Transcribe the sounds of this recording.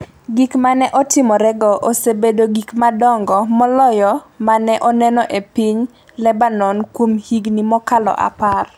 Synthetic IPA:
ɡikmanɛʔɔtɪmɔɾɛɡɔʔosebedoɡikmadɔŋɡɔmɔlɔjɔmanɛʔɔnɛnɔʔepiɲ | lɛbanɔnkwomhiɡnimɔkalɔ̰ʔa̰par

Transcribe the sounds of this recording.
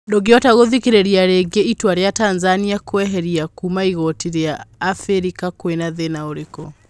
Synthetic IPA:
doɡeɔtaɣoðikeɾeɾiaɾeɡeitwaɾeatanzaniakowɛɦɛɾiakumaiɣɔtiɾeaːfeɾikakwenaðenaoɾekɔ

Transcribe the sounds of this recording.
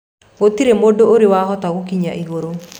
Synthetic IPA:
ɣotiɾemodooɾewahɔtaɣokiɲaʔiɣoɾo

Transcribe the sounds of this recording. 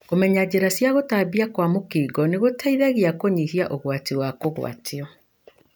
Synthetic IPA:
komɛɲad͡ʑeɾasjaɣotabiakwamokiːɡɔneɣotʰaiðaɣeakoɲihiaʔoɣwatiwakoɣw̰a̰tʰiɔ

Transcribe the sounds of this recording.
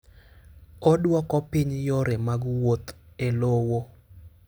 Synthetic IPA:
ɔdwɔkɔpɪɲjoɾɛmaɡwot̪elowo

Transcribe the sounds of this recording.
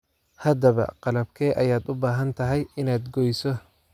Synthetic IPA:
hɐd̪ɐβɐ̰qɑlɐbkʰɛːʔɐjaːd̪ʊbaːɦɐnt̪ʰɐɦɛjɪnaːd̪ɡɔjsɔ

